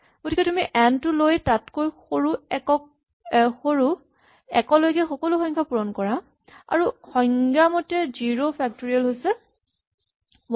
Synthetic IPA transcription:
ɡ̥otʰikɛtumiʔɛntʊlojtatkojxoɹukɔ | xoɹu | ɛkɔlojkɛxɔkɔluxɔjŋkʰapuɹɔnkɔɹa | a̰ɹuxɔjŋɡamotɛziɹopʰɛk̚toɹialɦojsɛ

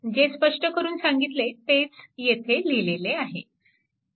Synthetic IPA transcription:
d͡ʑespəʂʈəkəɾuːnsaŋɡit̪let̪et͡sjet̪ʰelileleaɦḛ

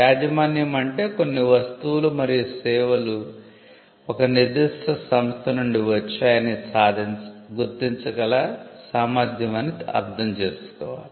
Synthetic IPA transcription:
aːd͡ʒɐmaːnjɐmɐɳʈe̞ːkonːiʋɐst̪uʋulumɐɾijusɛːʋɐlu | ɔkɐnid̪iʂʈɐsɐmst̪ʰɐnuɳɖiʋɐt͡ʃːaːjɐnisaːd̪ʱinɡuɾt̪iɲt͡ʃɐɡɐlasaːmaːd̪ʱjɐmɐniɐ̰ɾd̪ʰʱɐmt͡ʃe̞ːsu̥kɔ̰ːʋa̰ːli

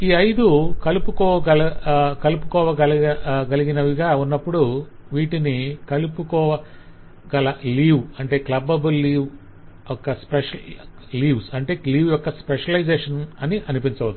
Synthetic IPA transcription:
iːɐjd̪ukɐlupukɔːʋɐɡɐlɐkɐlupu̥kɔːʋɐɡɐlɐɡɐliɡinɐʋiɡaːunːɐpːuɽuʋiːʈinikɐlupukɔːʋɐ | ɡɐlɐliːʋɐɳʈe̞ːklɐbɐbɐlːiːʋ | ɔkːɐspeʂɐliːʋsɐɳʈe̞ːliːʋjɔkːɐspeʂɐlɐjd͡ʒeːʂɐnɐniʔɐnipiɲt͡ʃɐud̪

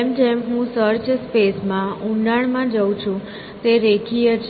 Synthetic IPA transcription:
md͡ʒemɦũsəɾt͡ʃspesmãũɳɖaɳ̃mãd͡ʒəwt͡ʃʰũ | t̪eɾekʰijət͡ʃʰ

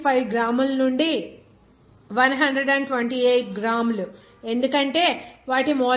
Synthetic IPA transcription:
pʰɐjɡɾaːmulɐnuɳɖi | ʋɐnɦɐɳɖɾeɖɐɳɖʈʋeɳʈiːejʈ̚ɡɾaːmlu | e̞nd̪ukɐɳʈe̞ːʋaːʈimɔː

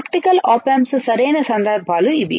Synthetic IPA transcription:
kʈikɐlaːpɐmssɐɾeːnɐsɐnd̪ɐɾbʱaːluiʋḭ

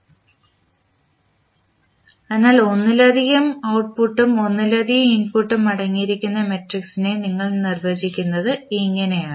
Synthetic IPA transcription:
e̞nːaːlo̞nːilɐd̪ʱiɣɐmɐwʈ̚puʈːumo̞nːilɐd̪ʱiɣɐminpuʈːumɐɽɐŋːijiɾikʲːunːɐmeʈriksine̞niŋːɐɭnirʋeːd͡ʑikʲːunːɐðɨiŋːɐne̞jaːɳɨ

